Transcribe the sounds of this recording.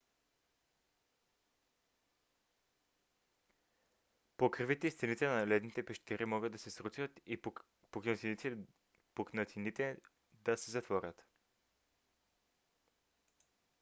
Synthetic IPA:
pokɾvit̪ɛist̪ɛnit̪ɛnalɛd̪nit̪ɛpɛʃt̪ɛɾʔimɔɡəd̪ːɐsɛsɾusət̪i | poknət̪iniɛ | poknɐt̪init̪ɛ | d̪asɛzɐt̪vɔɾʲət̪

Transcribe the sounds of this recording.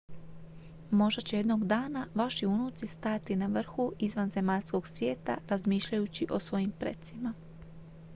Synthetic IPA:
mo̞ʒd̪at͡ɕejed̪noɡd̪aːnaʋaʃiunut̪sist̪at̪inaʋr̩xuizʋanze̞maʎsko̞ɡsʋje̞ːt̪aɾazmiːʃʎajut͡ɕiʔo̞sʋo̞jimpɾḛt̪sima

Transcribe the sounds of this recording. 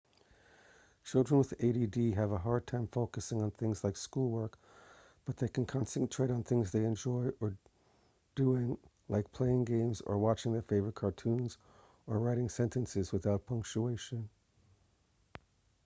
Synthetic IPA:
t͡ʃʰɪlˠdɹə̃nwəðeɪɾidiɨvəɦɑɹd̚tʰãɪ̃ɱfoʊkɨsɪ̃ŋə̃nθɪ̃ŋzlaɪkskulˠwɜ˞k | b̥ʌt̪̚ðeɪkʰɨ̃nkʰɑ̃nstɨ̃nʔtʰɹ̥eɪɾn̩θɪ̃ŋzðeɪɨ̃nd͡ʒɔɪʔə˞ | d̥uɪ̃ŋla̰ɪk̚pʰl̥eɪɪ̃ŋɡẽɪ̃mzə̰˞wɑt͡ʃɪ̃ŋðə˞feɪvə˞ət̚kʰɑɹtʰʉ̃nz | ə˞ɹaɪɾɪ̃ŋsɛ̃ntɨ̃nsɨzwəθaʊt̚pʰʌ̃ŋk̚t͡ʃueɪʃɨ̃n

